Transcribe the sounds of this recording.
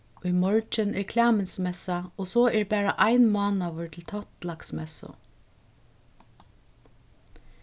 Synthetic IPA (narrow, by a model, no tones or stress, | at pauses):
ʊjmɔɹt͡ʃɪnɛɹkʰlæːmɪnsmɛsaɔsɔɛɹbæːɹaʔaɪnmɑːnaʋʏɹt̪ʰɪlt̪ʰɔt̪laksmɛsʊ̰